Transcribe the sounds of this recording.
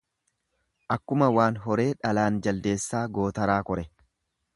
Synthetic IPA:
ʔɐkːʊmɐwaːnɦɔɾe̞ːᶑɐlaːnd͡ʒɐld̪e̞ːsːaːɡo̞ːt̪ɐɾaːkɔɾɛ

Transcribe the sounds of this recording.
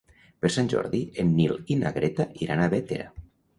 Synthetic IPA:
peɾsanʲʒɔ̰ɾðienːilina̰ɣɾet̪aʔiɾʔanaβet̪eɾa̰

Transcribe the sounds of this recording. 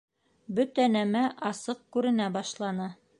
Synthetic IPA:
bɵt̪ænæmæʔɑsɤq̚kʉɾɘ̆næbɑʃlˠɑnɤ

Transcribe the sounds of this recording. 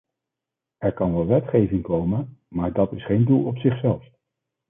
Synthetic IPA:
ɛɹkɑnʋɛlˠʋɛtχejvɪŋkowmənmaːɹdɑtɪsχejndulˠɔpsɪχsɛlˠf

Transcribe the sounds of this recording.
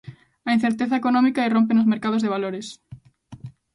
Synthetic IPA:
ɐin̟θeɾt̪eθɐekonɔ̃mikaeromp̬enozmeɾkað̞ozðeβ̞aloɾes

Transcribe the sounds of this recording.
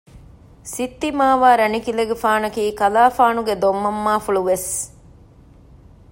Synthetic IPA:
sit̪ːimaːʋaːɾɐnikilɐɡefaːnɐkiːkɐlaːfaːnuɡed̪omːɐmːaːfuɭuʋes

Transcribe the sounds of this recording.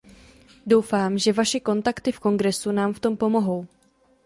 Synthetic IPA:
do̞wfaːmʒɛvaʃɛko̞nt̪akt̪ɪfko̞ŋɡɾɛsunaːmft̪o̞mpo̞moɦo̞w

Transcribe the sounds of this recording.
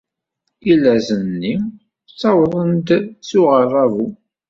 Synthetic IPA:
ilːæzənːi | t͡sːɑwəðˤənd̪suʁərˤɑvu

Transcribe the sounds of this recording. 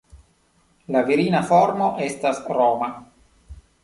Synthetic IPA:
laviɾinafo̞ɾmo̞ʔe̞stasɾoma

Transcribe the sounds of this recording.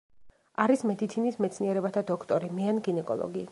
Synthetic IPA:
aɾismɛd̪it̪sʰinismɛt̪sʰniɛɾɛbat̪ʰad̪ɔkʰt̪ʼɔɾimɛanɡinɛkʼɔ̰lˠɔ̰ɡi

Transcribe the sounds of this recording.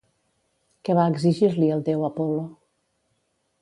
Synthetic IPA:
kəβaəɡziʒiɾliəlˠd̪ewəpɔlo

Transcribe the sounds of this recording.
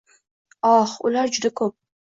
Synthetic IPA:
ɒhʊlaɾd͡ʒʊd̪akʰɵp̚

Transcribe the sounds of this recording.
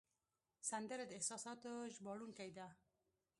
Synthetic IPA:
sand̪əɾed̪ɪhsɑsɑt̪oʒbɑɽunkajd̪a

